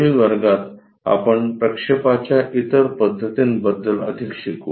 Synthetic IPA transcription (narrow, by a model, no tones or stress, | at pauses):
iʋəɾɡat̪ | a̰pəɳpɾəkʂepat͡ɕjaʔit̪əɾpəd̪ʱːət̪inbəd̪ːələ̰d̪ʱikɕikṵ